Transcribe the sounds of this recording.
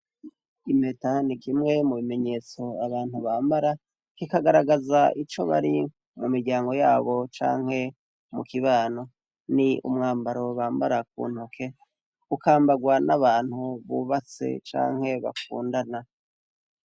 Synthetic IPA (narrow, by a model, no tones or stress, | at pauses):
ime̞tanikimŋe̞muβime̞ɲe̞ːt͡so̞aβaːn̥huβaːmbaɾa | kikaɡaɾaɡazaʔit͡ʃo̞̰βa̰ɾi | mumiɾɟaːŋɡo̞jaːβo̞t͡ʃa̰ːŋ̥he̞ | mukiβaːno̞ | niṵmŋaːmbaɾo̞βaːmbaɾak̚ṵːn̥hukʰe̞ | ukaːmbaɡwanaβaːn̥huβuβat͡se̞̰t͡ʃa̰ːŋ̥he̞βa̰kṵːndana